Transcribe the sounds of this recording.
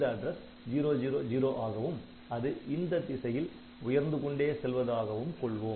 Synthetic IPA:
d̪ɐɖɾɐs | d͡ʒiːɾoːd͡ʒiːɾoːd͡ʒiːɾoːʔaːɣɐʋɯm | ɐðɯʔɪnd̪ɐd̪ɪsɐjɪl | ʊjɐɾnd̪ɯkɔɳɖeːsɛlʋɐðaːɣɐʋɯmkɔɭʋɯm

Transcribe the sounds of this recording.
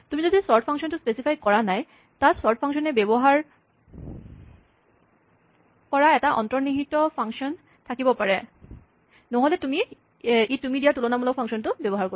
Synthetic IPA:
t̪umizod̪isɔɹʈpʰaŋʃɔntʊspesipʰajkɔɹanaj | tatsɔɹʈʰpʰaŋʃɔnebebɔɦaɹ | kɔɹaɛtaʔɔ̰ntɹɔɹniɦitɔpʰaŋʃɔn | tʰakibɔpaɹɛ | nɔɦolet̪umi | itumidiatulɔnamɔlɔk̚pʰɔŋʃɔntʊbɛbɔɦaɹko

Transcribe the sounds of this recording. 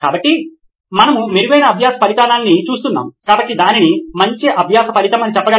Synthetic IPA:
ka̰ːbɐʈːi | mɐnɐmumiɾuɡɐjnɐːbʱjaːsɐpɐlit̪aːnaːnːit͡ʃuːs̬t̪unːa̰ːmukaːbɐʈːid̪aːninimɐɲt͡ʃiʔɐbʱjaːsɐpɐɾit̪ɐmɐnit͡ʃɛpːɐɡɐ

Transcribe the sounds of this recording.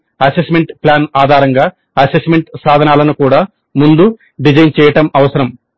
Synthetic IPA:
ɐsesme̞ɳʈplaːnaːd̪ʱaːɾɐŋɡaː | ɐsesmeɳʈsaːd̪ʱɐnaːlɐnukuːɽaː | mund̪u | ɖid͡ʒɐjnt͡ʃɛːjɐʈɐmɐʋɐsɐɾɐm

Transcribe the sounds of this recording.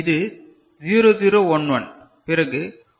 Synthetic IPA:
ɪðɯ | ziːɾoːziːɾoːɔnʋɐn | pɪɾɐɣɯ

